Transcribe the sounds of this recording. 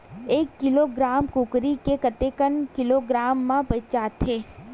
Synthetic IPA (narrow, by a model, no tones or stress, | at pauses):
ekːɪloɡɾamkukɾikekət̪ekənkɪloɡɾaːmːãpət͡ʃat̪ʰe